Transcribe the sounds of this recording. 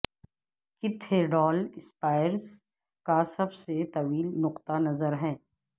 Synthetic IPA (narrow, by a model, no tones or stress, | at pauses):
kɪb̚t̪ʰeːɖɔːlɪspaːɪjəɾz | kasɐbset̪ɐʋiːlnʊqt̪anɐzəɾɦɛː